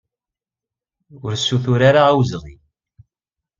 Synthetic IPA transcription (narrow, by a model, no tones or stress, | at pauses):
ʊɾsːuθʊɾaɾaæwzʁḭ